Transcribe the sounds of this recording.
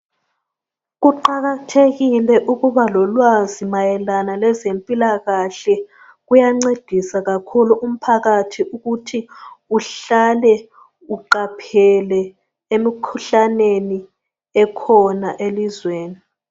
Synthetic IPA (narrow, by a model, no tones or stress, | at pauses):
ɣuǃaɣatʰeɣilɛʔuɣuβalɔlwazimajɛlanalɛzempʼilaɣaɬɛ | ɣujaŋ͡ǀed̥ʱisaɣakʰuluʔum̩pʰaɣatʰiuɣutʰiuɬalɛ | uǃapʰɛlɛ | emikʰuɬaneni | ɛkʰɔnaʔelizweːni